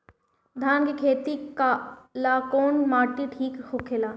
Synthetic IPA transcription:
d̪ʱaːnkekʰeːt̪ikalaːkoːnmaːʈiʈʰiːkhokʰelaː

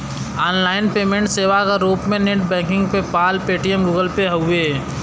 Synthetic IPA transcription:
aːnlaːɪnpeːmẽɳʈseːʋakaɾuːpmẽneʈbɛ̃ːkɪ̃ŋɡpepaːlpeːʈiəmɡuːɡəlpeɦɐʊeː

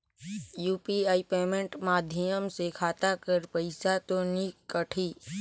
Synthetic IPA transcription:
juːpiaːipeːmẽɳʈmaːd̪ʱjəmsekʰaːt̪akəɾpəɪsat̪onikəʈʰiː

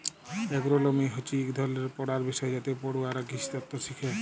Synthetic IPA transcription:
ɛɡɾolomiɦot͡ɕikd̪ʱɔleɾpɔɽaɾbiʃɔed͡ʒat̪epɔɽuaɾaɡiʃi̥t̪ɔt̪ːosikʰe

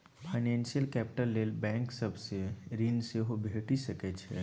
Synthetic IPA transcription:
fʰaɪnɛ̃ːnsijəlkɛːpɪ̥ʈəlːeːlbɛ̃ːŋksɐbseɾiːnseɦobʱeːʈisɐket͡ʃʰeː

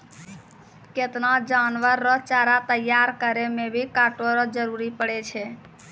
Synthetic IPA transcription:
ket̪nad͡ʒanʋəɾːət͡ʃaɾat̪əjaɾkəɾemebʱikaʈoɾəd͡ʒəɾuɾipəɽɛt͡ʃʰɛ

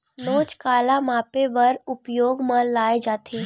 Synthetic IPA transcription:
noːt͡ʃkaːlamaːpeʋɐɾʊpjoːɡmãlaːed͡ʒaːt̪ʰeː

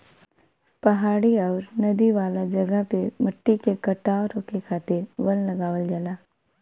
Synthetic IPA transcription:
pɐɦaːɽiɔːɾnɐd̪iʋaːlad͡ʒɐɡəpemɐʈːikekɐʈaːɾoːkekʰaːt̪ɪɾʋɐllɐɡaːʋəld͡ʒalaː

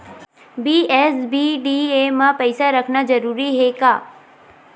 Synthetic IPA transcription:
biːɛːsbiːɖiːemãpɛɪsaɾɐkʰnad͡ʒɐɾuːɾiɦekaː

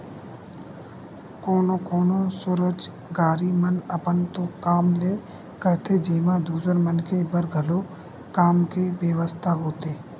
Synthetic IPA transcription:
koːnõːkoːnosʊɾəd͡ʒ | ɡaːɾimənəpənt̪õːkaːmleː | kəɾt̪ʰeːd͡ʒeːmãːd̪uːsəɾmənkʰebəɾɡʱəloː | kaːmkeʋeːʋəst̪ʰaɦoːt̪eː

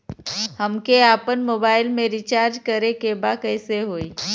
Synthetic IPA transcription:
ɦəmkeaːpənmoːbaːɪlmẽɾit͡ʃaːɾd͡ʒkəɾekebakəɪseɦoːi

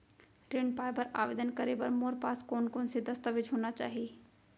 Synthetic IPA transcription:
ɾɪɳɖpaːjpɐɾa̰ːʋeːd̪ənkəɾepɐɾmoːɾpaːskoːnkoːnsed̪ɐst̪əʋɪd͡ʒʱɦoːnat͡ʃa̰ːɦieː

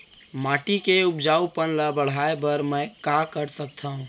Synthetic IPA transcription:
maʈikeupd͡ʒaupənləbəɽ̤aebəɾməjkakəɾsək̚t̪ʰəɦũ

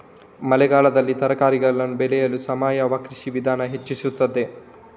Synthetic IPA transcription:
mɐlɛɡaːlɐd̪ɐlːit̪ɐɾɐkaːɾiɡɐɭːɐnubelɛjɐlusɐmaːjɐʋakɾiʃiʋid̪ʱaːnɐɦet͡ʃːisut̪ːɐd̪e

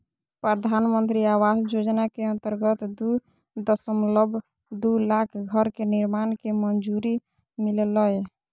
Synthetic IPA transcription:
pɾəd̪ʱanmənt̪ɾiawasd͡ʒod͡ʒnakeənt̪əɾɡət̪d̪u | d̪əsəmləbʱ | d̪ulakʰɡʱəɾkeniɾmankemənd͡ʒuɾi | milləj

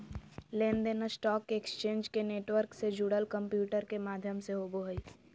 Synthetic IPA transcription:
lẽːnd̪eːnəsʈɔːkːeːkst͡ʃẽːnd͡ʒkeneːʈʋəɾksed͡ʒuːɽəlkə̃mpjuːʈəɾkemaːd̪ʱjəmseɦoboɦəi

